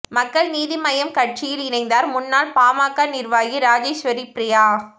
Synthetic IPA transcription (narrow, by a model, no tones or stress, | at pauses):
mɐkːɐɭniːðimɐjɐmkɐʈt͡ʃijɪlɪnɐɪnd̪aːɾmʊnːaːlpaːmaːkːaːnɪɾʋaːjiɾaːd͡ʒeːʃʋɐɾipɾɪjaː